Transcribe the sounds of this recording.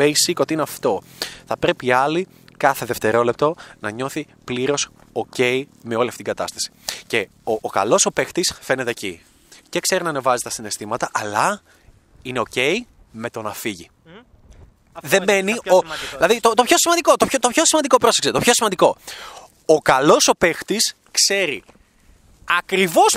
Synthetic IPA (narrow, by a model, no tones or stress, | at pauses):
ejsiko̞t̪iinɐft̪o̞θɐpɾe̞piɐli | kɐθe̞ðe̞ft̪e̞ɾo̞lep̚t̪o̞nɐɲo̞θi | pliɾo̞s | oce̞ime̞o̞liɐft̪it̪ɡɐt̪ɐ̰st̪ɐ̥si̥ce̞ | oːkɐ̰lo̞so̞pe̞xt̪isfe̞ne̞t̪eːci | cekse̞ɾinɐne̞vɐzet̪ɐsine̞st̪imɐt̪ɐʔɐlɐ | ineo̞ce̞i | me̞t̪o̞nɐfiʝi | ðe̞me̞nioilɐðit̪ot̪o̞pço̞simɐnd̪iko̞t̪opçot̪opço̞simɐnd̪ikopɾo̞sekset̪opço̞simɐnd̪iko̞ | okɐlo̞so̞pe̞xt̪is | kse̞ɾi | ɐkɾivo̞s